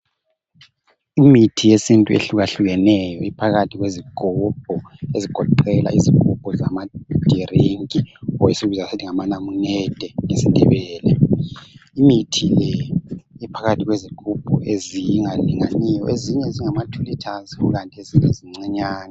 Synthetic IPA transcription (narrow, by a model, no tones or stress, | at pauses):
imitʰijesintʼuḛɬuɣaɬuɣɛnɛjɔipʰaɣatʰiɣweziɡ̥ʱub̥̚ʱɔeziɡ̥ʱɔǃɛla̰ʔizikʼub̥ʱʼɔzamad̥ʱiriŋkʼiɔisiβizasitʰiŋamanamunɛd̥ʱɛŋesindʱɛ̰βɛːlɛ | imitʰilɛipʰaɣatʰiɣweziɡ̥ʱub̥ʱɔ̰ʔezijiŋaliŋanijɔ̰ʔeziɲɛziŋamatʰulitʰaziuɣantʼiezintʼeziŋ͡ǀɛɲaːna